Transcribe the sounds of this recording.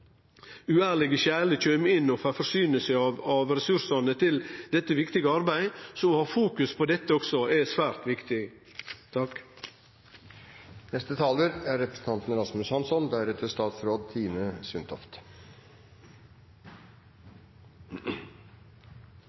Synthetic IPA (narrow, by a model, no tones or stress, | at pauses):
ʉæːɭɪɡəçæːɭəc͡çøːmɪnːɔfæfɔʂyːnəsəɑʋɑʋɾɛsʉɾsɑnət̪ʰɪld̪ɛt̪ːəʋɪkt̪ɪɡəɑɾbæɪsɔɔhɑːfuːkʉspʰoːd̪ɛt̪ːəɔksɔɛsʋæːɾt̪ʋɪkt̪ɪ | t̪ʰɑk | nɛst̪ət̪ʰɑːləɾæɾɾɛpɾəsn̩t̪ɑnt̪nəɾɑsmʉshɑnsɔnd̪æɾɛt̪ʰəst̪ɑːt̪sɾoːd̪̚t̪ʰiːməsʏnt̪ʰɔ̰ft̪